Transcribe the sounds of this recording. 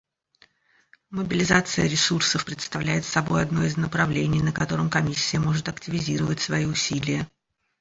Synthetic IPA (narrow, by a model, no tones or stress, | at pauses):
məbʲɪlʲɪzat̪sɨjəɾʲɪsursəfpɾʲɪt̪st̪ɐvlʲæjɪt̪sɐbo̞̰jɐd̪no̞jɪznəpɾɐvlʲenʲɪjnəkɐt̪o̞ɾəmkɐmʲisʲːɪjəmo̞ʐɨt̪ɐktʲɪvʲɪzʲiɾəvətʲsvɐiʊsʲilʲɪjə